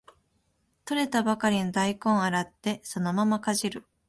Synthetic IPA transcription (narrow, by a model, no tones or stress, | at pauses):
t̪o̞ɾe̞t̪abakaɾʲinod̪aikõ̞ɰ̃aɾat̪ːe̞so̞no̞mamakaʑiɾɯ̟